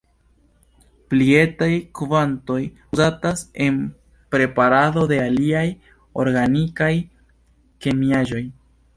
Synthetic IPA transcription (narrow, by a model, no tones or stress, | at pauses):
plie̞tajkuvanto̞j | uzatase̞n | pɾe̞paɾado̞de̞aliaj | o̞̰ɾɡanikaj | ke̞miaʒo̞j